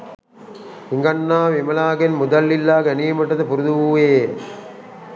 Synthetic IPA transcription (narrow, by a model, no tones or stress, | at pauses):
iŋɡɐnːaːʋimɐlaːɡenmud̪ɐlːilːaːɡɐɐnijmɐʈːɐt̪ɐpuɾud̪uʋuːjeː